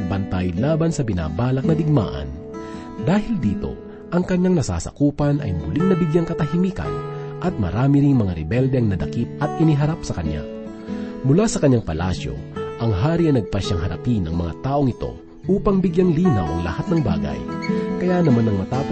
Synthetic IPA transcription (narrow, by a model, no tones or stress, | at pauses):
bɐnt̪ajlaːbɐnsɐbɪna̰ːbaːlɐk̚nɐd̪ɪɡ̚ma̰ːʔɐ̰n | d̪aːhɪld̪iːt̪o̞̰ | ʔɐŋkɐɲːaŋnɐsa̰ːsɐ̰kuːpɐnʔɐ̰jmʊliŋnɐbɪɡjaŋkɐt̪ɐhimiːkɐ̰nʔɐt̪̚mɐ̰ɾaːmɪɾiŋmɐŋaɾɛbɛld̪ɛɐŋnɐd̪ɐkip̪̚ɐt̪ʔɪniɦɐɾapsɐkɐɲa̰ | mʊlasɐkɐɲːaŋpɐla̰sjo̞̰ʔɐŋɦaːɾiɐjnɐɡ̚pɐʃaŋɦɐɾɐ̰pinɐŋmɐŋa̰t̪aːʔo̞ŋɪt̪o̞̰ | ʔuːpɐŋbɪɡjaŋliːnɐwʔɐ̰ŋlɐ̰hat̪̚nɐŋba̰ːɡɐ̰jkɐjanɐmanɐŋmɐt̪aːp